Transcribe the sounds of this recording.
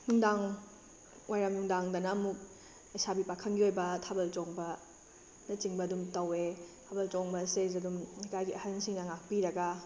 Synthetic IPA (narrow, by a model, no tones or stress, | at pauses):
nuŋdaŋ | wʔajɾɐmjuŋdaŋdɐnɐmuk̚ | ɐjsabipakʰɐnɡiojbɐtʰabɐltɔŋbɐ | nɐt͡ʃiŋbɐːdumtɐwetʰabɐlt͡ʃɔŋbɐsez̬ɐdumikʰajɡiʔɐhɐnsiŋnɐŋak̚piɾɐɡɐ